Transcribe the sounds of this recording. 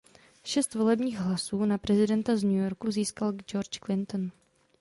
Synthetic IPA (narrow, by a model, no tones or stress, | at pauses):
ʃɛst̪vo̞lɛbɲiːɣɦlasuːnapɾɛzɪdɛnt̪azɲujo̞ɾkuziːskald͡ʒoɾt͡ʃklɪnt̪on